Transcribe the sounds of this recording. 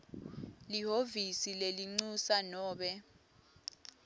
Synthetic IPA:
liɦovisileliŋ͡ǀusanɔːɓɛ

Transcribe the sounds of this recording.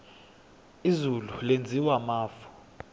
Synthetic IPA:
izululend͡zʱiwamaːfɔ̥

